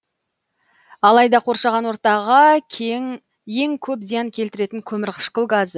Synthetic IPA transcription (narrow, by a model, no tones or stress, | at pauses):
ɑlˠɑjd̪ɑqʰo̞ɾʃɑʁɑnwo̞ɾt̪ɑʁɑ | je̞ŋkʲʰɵpzijɑŋkʲʰe̞lt̪ɪɾe̞t̪ɪŋkʲʰɵmɪɾqʰə̥ʃqəlˠɡazə